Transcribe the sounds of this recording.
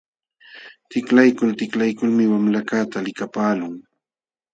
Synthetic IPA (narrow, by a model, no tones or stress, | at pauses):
t̪ɪklajkʊlt̪ɪklajkʊlmɪwamlakat̪alɪkapaːlʊŋ